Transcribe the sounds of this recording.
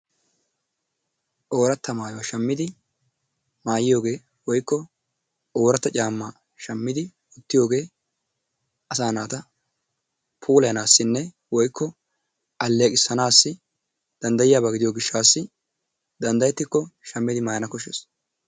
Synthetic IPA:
ʔo̞ːɾɐt̪ːɐmaːjowɐʃɐmːɪd̪ɪ | maːjɪjo̞ːɡe̞ː | wɔjkːɔ | oːɾɐt̪ːɐt͡ʃʼaːmːa | ʃɐmːɪd̪ɪ | ʊt̪ːɪjo̞ːɡe̞ː | ɐsaːnaːt̪ɐ | pʰuːlɐjɐnaːsːɪnːɛ | wɔjkːɔ | ʔɐlːeːkʼɪsːɐnaːsːɪ | d̪̥ɐnd̪ɐjɪjaːbaɡɪd̪ɪjoːɡɪʃːaːsːɪ | d̪ɐnd̪ɐjɛt̪ːɪkːɔʃɐmːɪd̪ɪmaːjɐnɐkɔʃɛs

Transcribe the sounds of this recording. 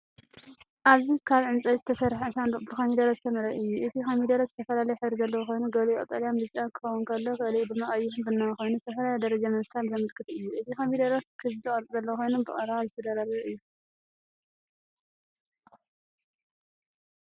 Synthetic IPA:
ʔaβzikʰaβʕɨnt͡sʼɐjzɨt̪ʰɐsɐɾħasanbɨkɐmid̪ɐɾɐzɨt̪ʰɐmɐɾɐʔɨjːuʔɨt̪ʰikɐmid̪ɐɾɐzɨt̪ʰɐfɐlalɐjħɨβɾizɐlːɐwxʰo̞jnuɡɐβlujʔʼɨt̪ʼaljamd̪ɨt͡ʃʼankʰɨ̥xɐwunkʰɐlːokɨlibɨmɐχʼjihunbɨnːaxo̞jnusʰɐfɐɾajad̪ɐɾɐd͡ʒamɐβsalzɐmɨlkʰɨt̪ɨjːuʔɨt̪ʰikɐmid̪ɐɾɐkʰɨzd̪ɨχʼɐɾʼzɐlːɐwxojnunbɨχʼɐɾaβzɨt̪ʰɐd̪ɐɾaɾiβuʔɨjːu

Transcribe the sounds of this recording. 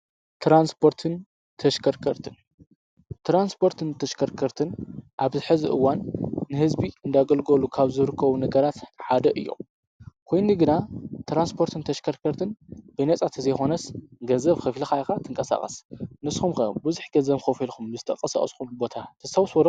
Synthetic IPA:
t̪ɾanspʰo̞ɾt̪ʰɨn | t̪ʰɐʃkʰɐɾkʰɐɾt̪ʰɨn | t̪ʰɾanspʰo̞ɾt̪ʰɨnt̪ʰɐʃkʰɐɾkʰɐɾt̪ʰɨnʔaβzɨħɨzḭʔɨ̰wanːɨhɨzbiɨnd̪aɡɐlɡolukʰaβzɨɾɨkʰːɐβunɐɡɐɾat̪ħad̪ɐʔɨ̰jːo̰ | kʰo̞jnɨɡɨnat̪ʰɾanspʰo̞ɾt̪ʰɨnt̪ʰɐʃkʰɐɾkʰɐɾt̪ʰɨnbɨnɐt͡sʼat̪ʰɨzɐjxo̞nɐsɡɐnzɐβxɨflixajxat̪ʰɨŋkʼɐsa̰χʼɐ̰snɨsxumxɐbɨzuħɡɐnzɐβxɐfilkʰumbɨzɨt̪ʰɐkʼɐsa̰χʼɐskʰumbo̞t̪ʰat̪ʰɐsawswɐɾɐ

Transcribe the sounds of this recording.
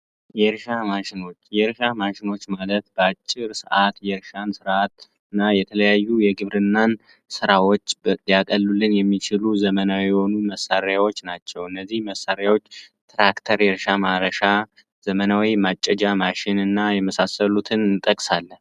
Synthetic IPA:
jɛɾʃamaʃɪno̞t͡ʃːjɛɾʃamaʃɪno̞t͡ʃːmalət̪bəat͡ʃʼːɪɾsəʔat̪jɛɾʃansɨɾat̪ | ɨnːajɛt̪ʰələjajːujɛɡɨβɾɨnːan | sɨɾawo̞t͡ʃːjakʼəlːulːɨnjɛmːit͡ʃʰɪluzəmənawijɛho̞numəsːaɾjawo̞t͡ʃːnat͡ʃːɛwɨnːəzːihməsːaɾjawo̞t͡ʃː | t̪ɾakt̪ʰəɾjɛɾʃamaɾəʃa | z̥əmənawimat͡ʃʼːɛd͡ʒamaʃɪnɨnːajɛməsasəlut̪ʰɨnɨnt̪ʼːəkʼsalːə

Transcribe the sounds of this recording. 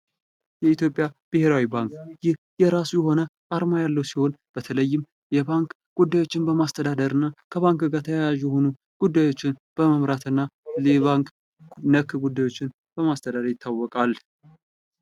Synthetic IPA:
jɛit̪jo̞pʼjab̥ɨhe̞ɾawibaŋkjɪh | jɛɾasujɛɦo̞nəʔaɾmajalːəwsiho̞nb̥ət̪ʰələjːɪm | jɛbaŋk | ɡ̥ud̪ːajwo̞t͡ʃːɪnbəmast̪ʰəd̪ad̪əɾɨnːakʰəβaŋkɡat̪ʰəjajaʒjɛho̞nu | ɡ̥ud̪ːajo̞t͡ʃːɪnb̥əməmɾat̪ɨnːalɛβaŋk | nəkːɡud̪ːajwo̞t͡ʃːɪn | b̥əmast̪ʰəd̪aɾəɾjɪt̪ʰːawːɔkʼal

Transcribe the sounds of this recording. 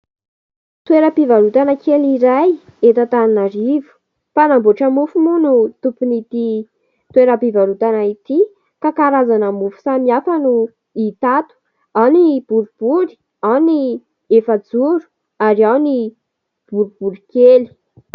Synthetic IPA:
t̪weɾəpivaɾut̪anəkeliɾaj | et̪at̪aninaɾivu̥ | panamboʈ͡ʂəmufumunut̪upunit̪i | t̪weɾapivaɾut̪anait̪i | kakaɾazanəmufu̥samiafanu | it̪at̪u̥ | awnib̥uɾub̥uɾi̥ | awni | efad͡zuɾu̥ | aɾiawni | b̥uɾub̥uɾikeli̥

